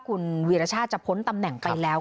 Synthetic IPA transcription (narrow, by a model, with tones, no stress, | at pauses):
kʰu˧nwi˧ɾa˧t͡ɕʰaː˥˩t̪̚t͡ɕa˨˩pʰo˦˥nt̪a˧mnɛ˨˩ŋpʰa˧jlɛː˦˥w